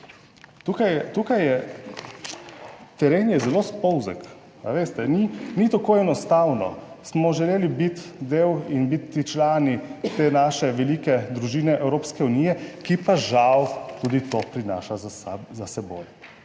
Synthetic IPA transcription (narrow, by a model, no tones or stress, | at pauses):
t̪ukajt̪ukajjɛ | t̪ɛɾeːnjɛzɛloːspɔwzɛ̰k | aʋeːst̪ɛninit̪akoːɛnɔst̪awnɔ̰ | smɔʒɛleːlibit̪d̪eːwinbit̪ːit͡ʃlaːnit̪eːnaʃɛʋɛliːkɛd̪ɾuʒiːnɛʔɛwɾoːpskɛuniːjɛkipaʒawt̪ud̪it̪opɾina̰ːʃazaazasɛbo̰j